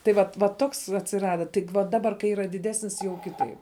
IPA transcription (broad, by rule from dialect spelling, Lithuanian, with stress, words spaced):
tɐɪ ˈʋɐt ʋɐ ˈtoːks ɐtʲsʲɪˈrɑːdɐ ˈtʲɪk ʋɐ ˈdɑːbɐr kɐɪ ˈiːrɐ dʲɪˈdʲæːsʲnʲɪs jɛʊ ˈkʲɪtɐɪp